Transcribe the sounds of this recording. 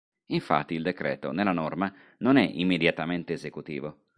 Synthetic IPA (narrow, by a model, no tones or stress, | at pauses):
iɱfa̰t̪ːiːld̪ekɾɛ̰ːt̪o̰nelanɔrma | nonɛʔimːed̪jat̪ament̪eːzekut̪ḭːvo